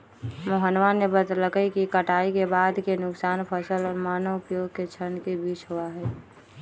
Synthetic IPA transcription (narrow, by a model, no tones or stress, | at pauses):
moɦənʋanebət̪ləkəikikəʈʰaːikebaːd̪kenʊksaːnpʰəsəlɔːɾmaːnəʊpjoːɡket͡ʃʰənkebiːt͡ʃɦoaɦɛː